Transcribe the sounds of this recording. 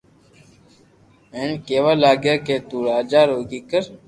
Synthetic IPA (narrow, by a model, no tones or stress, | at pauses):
eːɳkeːʋaːlaːɡjaːkeːt̪uːɾaːd͡ʒaːɾoːɡiːkəɾ